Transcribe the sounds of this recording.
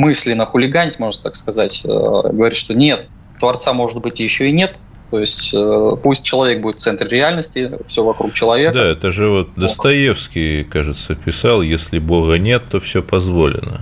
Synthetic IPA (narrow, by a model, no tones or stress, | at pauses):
mɨsʲlʲɪnəxʊlʲɪɡanʲtʲmo̞ʐnət̪akskɐzatʲə̰ɡəvɐɾʲit̪ʂt̪o̞nʲe̞t̪ː | vɐrt̪samo̞ʐɨd̪bɨtʲjɪɕːo̞ɪnʲe̞t̪ | t̪ːo̞jɪsʲtʲpusʲt̚ʲt͡ɕːɪlˠɐvʲe̞k̚budɪt̪t̪sɛnt̪ɾɾʲɪalʲnəsʲtʲɪfsʲovɐkɾuk̚t͡ɕɪlˠɐvʲekd̪aɛt̪əʐɨvo̞t̪̚d̪əst̪ɐjefskʲɪjkaʐɨt̪səpʲɪsɑlˠjesʲlʲɪboɣənʲe̞t̪ːofsʲopɐzvo̞lʲɪ̰nə̰